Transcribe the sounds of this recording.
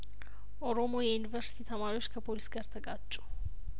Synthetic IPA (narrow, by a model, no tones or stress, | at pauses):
ʔɔɾɔmo̞ːjɛjʊnɪvɐɾsɪ̥t̪ʰiːt̪ʰɐmaːɾɪoʃkʰɐpolɪsɡɐɾt̪ʰɐɡaːt͡ʃʼːʊ̥